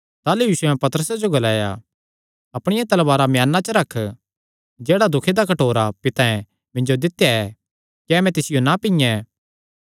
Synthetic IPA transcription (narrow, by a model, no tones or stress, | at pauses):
t̪aːlujiːsuɛ̃pɐt̪əɾəsad͡ʒoɡɐlaːja̰ | ɐpɽ̃ɪjãt̪ɐlbaːɾamjaːnːat͡ʃəɾɐkʰː | d͡ʒɛːɽad̪ʊkʰed̪akɐʈoːɾapɪt̪ãɛ̃ | mɪ̃nd͡ʒod̪ɪt̪ːjaɛ | kɛːmɛ̃t̪ɪsɪjonapɪ̃jɛ̃